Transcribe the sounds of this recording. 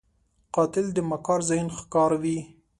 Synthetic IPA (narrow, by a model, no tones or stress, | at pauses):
qɑt̪ɪld̪əmakɑɾzajnxkɑɾawi